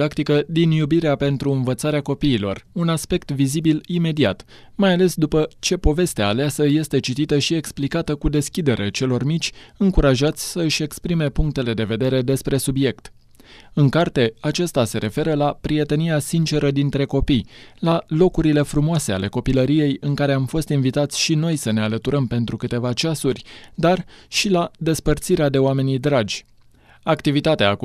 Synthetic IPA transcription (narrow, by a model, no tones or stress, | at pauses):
akt̪ikəd̪injubiɾeape̞nt̪ɾuɨnvət̪saɾeako̞piːlo̞̰runaspe̞kt̪vizibilime̞d̪ia̰t̪majale̞sd̪upət͡ʃe̞po̞ve̞st̪ea̰leasəje̞st̪e̞t͡ʃit̪it̪əʃie̞ksplikat̪əkud̪e̞skʲid̪e̞ɾet͡ʃe̞lo̞rmit͡ʃʲɨŋkuɾaʒat̪sʲsəɨʃʲe̞kspɾime̞puŋk̚t̪e̞le̞d̪e̞ve̞d̪e̞ɾe̞d̪e̞spɾe̞subje̞kt̪ | ɨŋkart̪e̞at͡ʃast̪ase̞ɾe̞fe̞ɾəlapɾije̞t̪e̞niasint͡ʃe̞ɾəd̪int̪ɾe̞ko̞pijlalo̞kuɾile̞fɾumoase̞a̰le̞ko̞piləɾije̞jɨŋkaɾe̞amfo̞st̪invit̪at̪sʲʃino̞jsəne̞alət̪uɾəmpe̞nt̪ɾukɨt̪e̞vat͡ʃasurʲd̪arʃilad̪e̞spərt̪siɾead̪e̞oame̞nijd̪ɾad͡ʒʲ | akt̪ivit̪at̪ea̰ː